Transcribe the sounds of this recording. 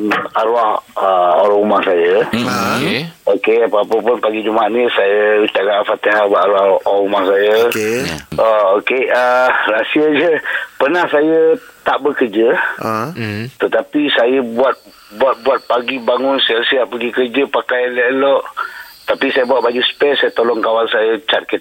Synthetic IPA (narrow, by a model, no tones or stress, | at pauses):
aɾuahəoɾaumahsajə | okeapaapəpʊnpaɡid͡ʒumaaʔɲəsajəut̪aʔɡaʔfat̪iɦabaʔaɾuahoumahsajə | aokeərasiad͡ʒəpənahsajət̪aʔbəkərd͡ʒə | t̪ət̪apisajəbuat̪̚ | buat̪̚buat̪̚paɡibaŋʊnsajəsiaʔpəɡikərd͡ʒəpakajalɛlɔʔt̪apisajəbuaʔbad͡ʒuspɛsajət̪olɔŋkawansajət͡ʃat̪̚kət̪̚